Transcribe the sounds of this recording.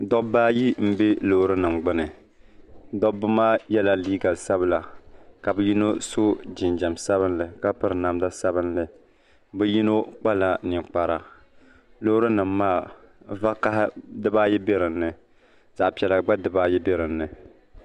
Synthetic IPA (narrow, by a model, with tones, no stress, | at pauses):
dɔ˦bːaː˦ji˦m̩˦be˦lo˦hɾɨ˦nɨ˨mɡ͡bɨ˦nɨ˨ | dɔ˦bːɨ˦maː˦jɛ˦la˦˨liː˦ɡa˨sa˦bɨ˦la˨ka˨bɨ˦ji˦no˦so˦d͡ʒɪ˨nd͡ʒa˨msa˦βɨ˦n˦lɨ˨ka˦pɨ˦ɾɨ˨na˨mda˦sa˦bɨ˦nlɨ˨ | bɨ˦ji˦no˦k͡pa˦la˨nɪ˨k͡pa˨ɾa˨ | lo˦hɾɨ˦nɨ˨mːaː˦˨ | va˦ka˦hdɨ˦baː˦jɛ˦be˦ɾɨ˨n̩ːɨ˨ | z̥a˨ʔpi˨ɛ˨la˨ɡ͡ba˦dɨ˨baː˦jɛ˦be˦ɾɨ˨n̩ːɨ˨